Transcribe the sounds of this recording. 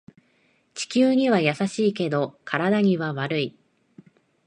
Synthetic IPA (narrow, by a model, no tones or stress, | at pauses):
t͡ɕi̥kʲɨːɲ̟iβajasaɕiːke̞d̪o̞kaɾad̪aɲ̟iβaβaɾɯ̟i